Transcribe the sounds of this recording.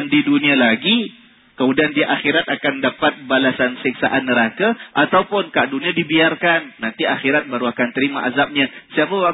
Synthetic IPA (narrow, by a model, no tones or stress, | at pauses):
ndidunialaɡi | kəmudiandiʔaxiɾat̪̚akandapat̪̚balasansik̚sa̰ʔanːəɾakaʔat̪awpʊnkaʔduniadibiarkanːant̪iaxiɾat̪̚baɾuakant̪əɾimaʔazap̚ɲasiapawa